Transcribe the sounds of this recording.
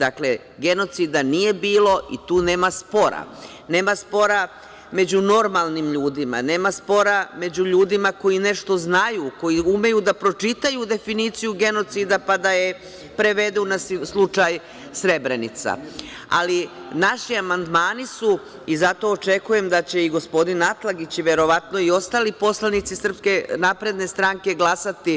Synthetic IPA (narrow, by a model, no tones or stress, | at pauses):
d̪akle̞ | ɡe̞no̞t̪sid̪anije̞biːlo̞ḭt̪uːne̞ːmaspo̞ɾa̰ | ne̞ːmaspo̞ɾa | me̞d͡ʑuno̞ɾmalˠnimʎuːd̪ima̰ne̞ːmaspo̞ɾame̞d͡ʑuʎuːd̪imako̞jine̞ʃt̪o̞znajuko̞jiume̞jud̪apɾo̞t͡ʃit̪ajud̪e̞finiːt̪sijuɡe̞no̞t̪sid̪apad̪aje̞ | pɾe̞ʋe̞d̪unasslˠut͡ʃaj | sɾe̞bɾenḭt̪sa̰ | a̰linaʃiamand̪maːnisu | izat̪o̞ːt͡ʃe̞kuje̞md̪at͡ɕe̞iɡo̞spo̞d̪inat̪laɡit͡ɕʋe̞ɾo̞ʋat̪no̞io̞st̪aːlipo̞slˠanit̪sisr̩pske̞napɾe̞d̪ne̞st̪ɾaŋke̞ɡlˠasat̪i